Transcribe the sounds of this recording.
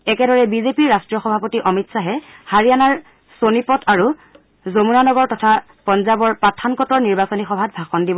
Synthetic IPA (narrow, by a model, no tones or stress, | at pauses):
ɛkɛdɔɹɛbizepiɹastɹiɔxɔbʱapotiʔɔmitsaɦɛhaɹijanaɹ | sonipɔtʰaɹu | zomunanɔɡɔɹtɔtʰa | pɔnzabɔɹpɹatʰːankɔtɔɹniɹbasonixɔbʱat̚bʱaxɔndibɔ